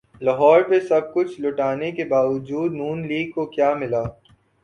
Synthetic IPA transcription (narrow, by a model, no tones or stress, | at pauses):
lɐɦɔːɾpesɐb̚kʊt͡ʃʰlʊʈaːnekebaːʋʊd͡ʒuːd̪nuːnliːɡ̚kokjaːmɪlaː